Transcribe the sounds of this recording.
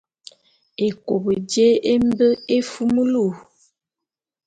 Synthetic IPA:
e˨ko˨bə˨d͡ʒe˦e˦m˦bə˦e˦fu˦mə˦lu˦˨

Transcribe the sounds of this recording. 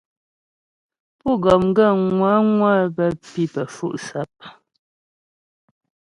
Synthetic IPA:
pu˦˨ɡɔ˨m˦ɡə˦˨ŋwa˨˦ŋwa˦bə˦pi˦pə˨fṵ˦˨ʔsa˨˦p̚

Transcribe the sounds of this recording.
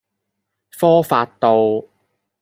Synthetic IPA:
fɔː˥faː˧t̚t̪o˧w

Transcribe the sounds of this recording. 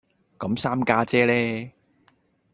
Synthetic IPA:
kɐ˨˧˥msaː˥mkaː˧˥t͡sɛː˥lɛː˥

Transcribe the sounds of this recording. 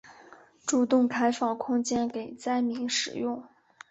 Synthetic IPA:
ʈ͡ʂu˥˧t̪ʊ˥˩ŋkʰa˥ɪfɑ˥˩ŋkʰʊ˥ŋt͡ɕjɛ˥nke˨˩ɪt͡sa˥ɪmi˧˥ŋʂɻ̩˨˩jʊ˥˩ŋ

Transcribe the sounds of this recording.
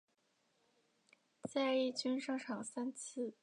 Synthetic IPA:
t͡sa˥ɪə˥˧˩i˥˩t͡ɕy˥nʂɤ˥˧ŋʈ͡ʂʰɑ˨˩ŋsa˥nt͡s̩ʰ˥˩

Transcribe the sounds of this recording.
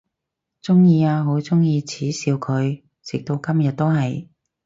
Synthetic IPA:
t͡sʊ˥ŋjiː˧aː˧ɦo˨˥wt͡sʊ˥ŋjiː˧t͡sʰiː˨˥siː˨˧wkʰɵ˨˧ɥ | t͡sɪ˨k̚t̪o˧wkɐ˥mjɐ˨t̚t̪o˥wɦɐ˨j

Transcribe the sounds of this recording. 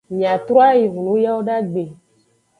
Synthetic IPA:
mĩ˨a˨t̪ɾɔ˦a˦ji˨ŋũ˨nũ˨˦ja˦wo˦ɖa˦ɡ͡be˨

